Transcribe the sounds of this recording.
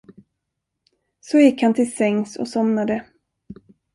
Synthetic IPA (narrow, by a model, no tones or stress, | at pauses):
sɔjɪkːhant̪ʰɪlsɛŋːsɔ̰sɔmnad̪ə